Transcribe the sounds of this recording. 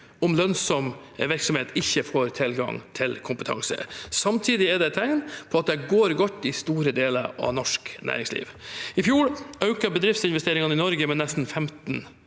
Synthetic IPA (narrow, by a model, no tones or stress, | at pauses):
ʊmlœnsɔm | ʋɪɾksɔmheːt̪ɪçːəfoːɾt̪ʰɪlɡɑ̰ŋt̪ʰɪlkʰʊmpət̪ʰɑ̰ŋsə̰sɑmt̪ʰiːd̪ɪɛɖ̪ɛt̪ʰːæɪnpʰɔɑt̪̚d̪ɛɡoːɾɡɔt̪ːɪst̪uːɾəd̪eːlə̰ɾɑ̰ʋnɔʂknʔæ̰ːɾɪŋslḭːʋɪfjuːɭɑʉkəɾbəd̪ɾɪft̪sɪnʋɛst̪eːɾɪŋɑnɪnɔɾɡəmɛnɛst̪n̩fɛmt̪n